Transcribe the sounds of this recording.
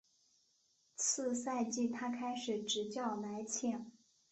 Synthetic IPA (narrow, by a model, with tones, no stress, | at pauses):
t͡sʰɹ̩˥˧sa˥˧ɪt͡ɕi˥˩t̪ʰa˥kʰa˥ɪʂɻ̩˨˩ʈ͡ʂɻ̩˧˥t͡ɕjɑ˥˩ʊla˧˥ɪt͡ɕʰjɛ˥˩n